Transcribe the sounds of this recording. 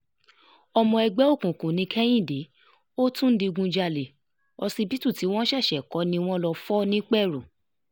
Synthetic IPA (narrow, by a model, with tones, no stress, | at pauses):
ɔ˧mɔ̃˧ɛ˧ɡ͡bɛ˦o˦˨kũ˨kũ˨nĩ˨˧kʰɛ˦j̃ĩ˦˨de˨˦ | o˦tũ˦n̩˦di˧ɡũ˧d͡ʒa˧le˨ | ɔ˧sĩ˧bi˦tũ˦˨ti˨˦w̃ɔ̃˦ʃɛ˦˨ʃɛ˨kɔ˨˧˦nĩ˧w̃ɔ̃˦lɔ˧fɔ˦nĩ˦k͡pɛ˦˨ɾu˨